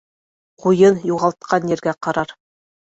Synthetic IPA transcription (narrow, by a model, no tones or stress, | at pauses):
qujɤnjuʁɑlˠt̪̚qʰɑnjɘ̆ɾɡæqɑɾɑɾ